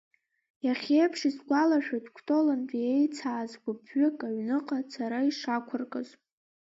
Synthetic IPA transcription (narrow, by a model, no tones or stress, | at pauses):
jaχʲejpʰʂizɡʷalaʃᶣatʰʼkʷʰtʼo̞lanbʼiejt͡sʰaːzɡʷʊpʰɥɪkʼaɥnɨqʼat͡sʰaɾaiʂakʷʰʊrkʼaz